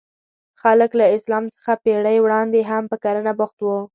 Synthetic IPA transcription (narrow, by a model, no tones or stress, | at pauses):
xaləklaɪslɑmt͡sə̥xapeɽajwɽɑnd̪eɦampəkaɾənabʊxt̪wə